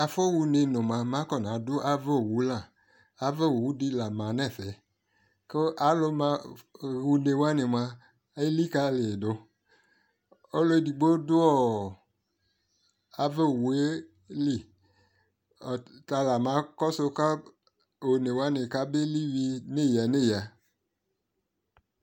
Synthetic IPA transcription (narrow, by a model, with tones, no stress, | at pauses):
a˨fɔ˦wu˧ne˧nõ˨mã˨˧mã˨˦kɔ˦˨n˨ã˨˦dʊ˦ʔa˦vɛ˦˨wu˨˦la˦˨ | a˨vɛ˦wo˨wu˨˦di˦la˨mã˨nɛ̃˦˨fɛ˨˦ | ke˦a˨˦lo˧mã˧ɣu˧ne˨wa˦ne˨mã˧˦ | li˦ka˧˦le˨e˨do˨ | o˦lo˦˧˨di˨ɡ͡bo˦dʊ˦ɔ˦˨ | a˦ve˦˨wu˨˦e˦ | li˨ | ɔ˨ta˧la˨mã˨˦kɔ˦so˧ka˦ | o˨ne˨wa˦ne˨ka˦be˦li˦wi˧ne˦˨ja˨ne˦˨ja˨